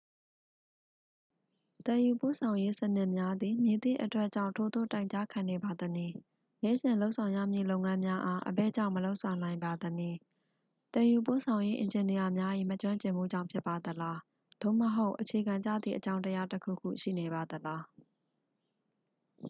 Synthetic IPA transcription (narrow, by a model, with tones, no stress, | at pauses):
t̪ɛ̃˨ju˨po̰˦˨sʰã˨ʊ̃je˦sən̥ɪ˦ʔmja˦d̪i˨mje˨t̪ɪ̰̃˦ʔətwɛ˦ʔt͡ɕã̰˦˨ʊ̃ntʰo˨d̪o̰˦˨tã˦˨ɪ̃ɲt͡ɕa˦kʰã˨ne˨ba˨d̪əni˨ | nɛ̰˦˨zɪ̃˨lo˦ʔsʰã˨ʊ̃jä̰˦˨mjḭ˦˨lõ˦ʊ̃ŋã˦mja˦ʔa˦ʔə̰bɛ˦˨d͡ʑã̰˦˨məlo˦ʊʔsʰã˨ʊ̃nã˨ɪ̃mba˨d̪əni˨ | t̪ɛ̃˨ju˨po̰˦˨sʰã˨ʊ̃je˦ʔɪ̰̃˨ɲd͡ʑɪ̃˨ni˨ja˨mja˦ʔi˦˨mət͡ɕwã˦ɲt͡ɕɪ̃˨m̥ṵ˦˨d͡ʑã̰˦˨ʊ̃pʰjɪ˦pːa˨d̪əla˦ | d̪̥o̰˦˨məɦo˦ʊʔət͡ɕʰe˨ɡã˨ɲt͡ɕä̰˦˨d̪ðḭ˨ʔət͡ɕã˦ʊ̃ntəja˦təkʰṵ˦˨kʰṵ˦˨ʃḭ˦˨ne˨ba˨d̪əla˦